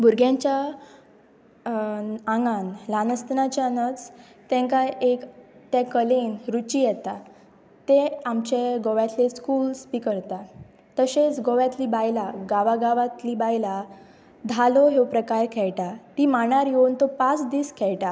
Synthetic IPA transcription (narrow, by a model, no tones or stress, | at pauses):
buɾɡjãɲt͡ɕja | ãŋɡanlanəst̪nat͡ɕaənət͡s | t̪ɛ̃ŋkaekt̪jakəlenɾut͡ɕijɛt̪a | t̪eamt͡ɕeɡoʋjat̪leskuːlspikəɾt̪a | t̪əset͡sɡoʋjat̪liːbajlaɡaʋaɡaʋat̪liːbajla | d̪ʱaloɦewpɾəkaɾkʰɛɭʈat̪imaɽ̃aɾjeunt̪opat͡sd̪iːskʰɛɭʈa